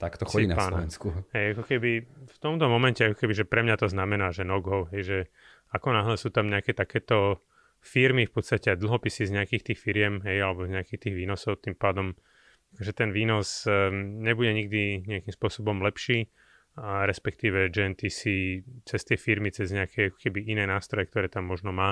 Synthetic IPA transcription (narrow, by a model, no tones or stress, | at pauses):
t̪akt̪ɔxɔiːnaaɔʋɛnskuɦɛjakɔkɛbift̪ɔmt̪ɔmɔmɛncɛakɔkɛbiʒɛpɾɛmɲat̪ɔznamɛnaːʒɛnɔɡɦɔʊɦɛjʒɛ | akɔnaɦlɛsuːt̪amɲɛakɛːt̪akɛːt̪ɔ | fiɾmifpɔt̪st̪acɛad̪l̩ˠɦɔpisizɲɛakiːxt̪iːxfiɾɪɛmɦɛjalɛbɔzɲɛakiːxt̪iːɣʋiːnɔsɔʊt̪impaːd̪ɔm | akɔʒɛt̪ɛnʋiːnɔzɲɛbuɟɛɲiɡd̪iɲɛakimspʊɔsɔbɔmlɛpʃiː | ɾɛspɛk̚t̪iːʋɛd͡ʒɛɛnt̪isit͡sɛst̪ɪɛfiɾmit͡sɛzɲɛakʰɛjakɔ̥kɛbiʔinɛːnaːst̪ɾɔjɛk̚t̪ɔɾɛːt̪amːɔʒnɔmaː